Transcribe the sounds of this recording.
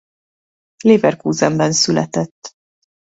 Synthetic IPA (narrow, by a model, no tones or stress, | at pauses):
liːvɛrkuːzɛmbɛnsylɛ̰t̪ɛt̪ː